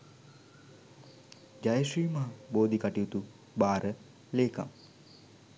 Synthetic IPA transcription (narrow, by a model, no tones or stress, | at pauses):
d͡ʒajəʃiːmaboːd̪ikaʈiut̪u | baːɾə | leːka̰m